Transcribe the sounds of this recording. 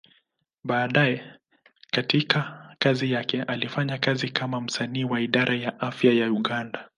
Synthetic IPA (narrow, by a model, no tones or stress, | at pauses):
ɓaːɗajɛ | katikakazijakɛʔalifaɲakazikamam̩saniːwaiɗaɾʔajaʔafjajauɠanda